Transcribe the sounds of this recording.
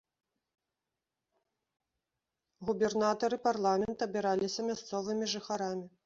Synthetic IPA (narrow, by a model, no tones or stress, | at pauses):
ɣubʲɛrnat̪ɐɾɨparlˠamʲɛnt̪ɐbʲɛɾalʲisʲɐmʲast̪sɔvɨmʲiʐɨxaɾamʲi